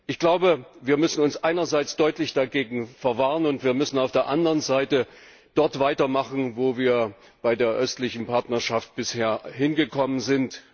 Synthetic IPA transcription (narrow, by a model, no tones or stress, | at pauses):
ʔɪçɡ̥laʊbəviːɐmʏsn̩ʊnsʔaɪnɐzaɪt͡sd̥ɔʏtlɪçd̥aɡeːɡŋ̩fɛɐvaɐənʊntv̥iːɐmʏsn̩aʊfd̥eːɐʔandəʁənzaɪtə | d̥ɔɐtv̥aɪtɐmaχn̩voːviːɐ | b̥aɪdeːɐʔœstlɪçn̩paɐtnɐʃaft̚b̥ɪsheːɐhɪnɡəkʰɔmənzɪnt